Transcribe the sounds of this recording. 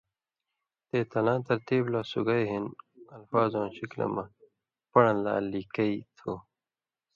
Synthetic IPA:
t̪eːt̪ɐlãːt̪ɐɾt̪iːblaːsuɡɐjɦinɐlfaːzõːnɕiklɐ̰mɐ | pɐɳɐ̃la̰ːlikɐit̪ʰoː

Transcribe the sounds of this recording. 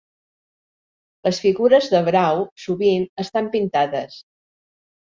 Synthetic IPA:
ləsfiɣuɾəzðəβɾawsuβinəst̪ampint̪aðəs

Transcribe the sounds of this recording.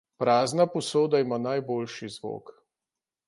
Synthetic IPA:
pɾaːznapɔsoːd̪aimaːnajboːlʃizʋo̰ːk

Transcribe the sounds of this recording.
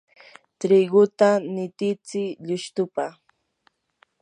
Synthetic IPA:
t̪ɾɪɡʊt̪anɪt̪ɪt͡sɪʎʊʃt̪ʊpa

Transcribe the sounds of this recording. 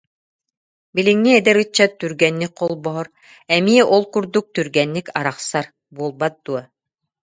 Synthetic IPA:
bilʲiŋniɛd̪ɛɾɯt͡ɕːat̪ːyɾɡɛnːikqɔlˠbɔɦɔɾ | ɛmiɛʔɔlˠkuɾd̪uk̚t̪yɾɡɛnːikaɾaχsaɾ | buɔlˠbat̪̚d̪̥uɔ

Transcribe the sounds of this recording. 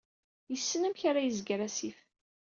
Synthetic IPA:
jəsːənæmçaɾajəzɡɾæsif

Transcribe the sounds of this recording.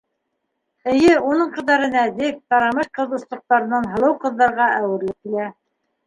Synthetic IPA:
ɘ̆jɘunɤɴqɤ̆ðɑɾɤnæðɘk̚t̪ɑɾɑmɤʃqɤ̆ðŏslˠɤ̆q̚t̪ɑɾɤ̆nɑnɦɤ̆lˠɤwqɤ̆ðːɑɾʁɑʔæwɘ̆ɾlɘp̚kilæ

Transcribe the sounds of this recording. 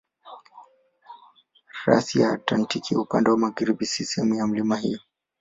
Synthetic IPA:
ɾa̰sijaːtlantikʰiupandɛwamaɣaɾibisisɛmujam̩limahijɔ

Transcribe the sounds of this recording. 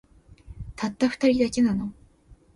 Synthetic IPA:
t̪ʰat̪ːaɸɯ̟̥t̪aɾʲid̪ake̞nano̞

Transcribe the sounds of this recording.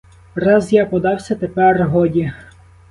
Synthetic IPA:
rɑzjapɔd̪ɑwsʲɐt̪epɛrɦɔdʲi

